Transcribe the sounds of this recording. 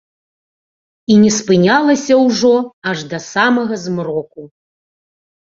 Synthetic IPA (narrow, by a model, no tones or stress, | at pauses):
inʲɛspɨnʲalˠɐsʲɐwʐɔɐʐd̪ɐsamɐɣɐzmrɔku